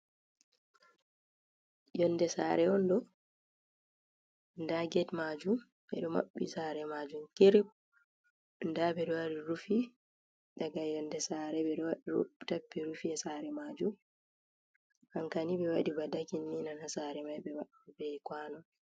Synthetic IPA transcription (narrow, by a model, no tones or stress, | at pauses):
jɔndɛsa̰ɾɛɔndɔ | ndaɡɛtmad͡ʒum | ɓɛ̰ɗɔma̰ɓːḭsaɾɛmad͡ʒumkiɾip̚ | ndabɛɗɔwaɾiɾufi | ɗaɡajɔndɛsaɾɛɛtapːiɾufiasaɾɛmad͡ʒum | haŋkanibɛwaɗibadakinːinanhasaɾɛmajbɛwa | bɛkwanɔ